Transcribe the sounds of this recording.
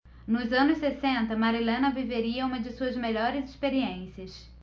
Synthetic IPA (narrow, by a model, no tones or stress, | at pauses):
nʊzɐ̃nʊssesẽnt̪ɐmaɾilẽnɐviveɾiɐũmɐd͡ʒɪsuɐzmeʎɔɾɪzɪspeɾiẽsiɐs